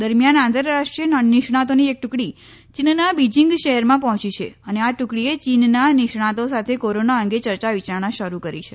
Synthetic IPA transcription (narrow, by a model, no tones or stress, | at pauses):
d̪əɾmjanãnt̪əɾːaʂʈɾijənnɪʃɳ̃at̪oniek̚ʈʊkɽi | t͡ʃinnabid͡ʒiŋɡʃəɦɛɾmãpɔɦɔ̃t͡ʃit͡ʃʰḛəneaʈʊkɽiet͡ʃinnanɪʃɳat̪osat̪ʰekoɾonaəŋɡet͡ʃəɾt͡ʃaʋit͡ʃaɾɳãʃəɾukəɾit͡ʃʰe